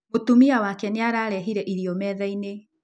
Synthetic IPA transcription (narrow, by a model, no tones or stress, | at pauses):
otumiawakɛneaɾaɾɛɦiɾɛʔiɾiɔmɛðaine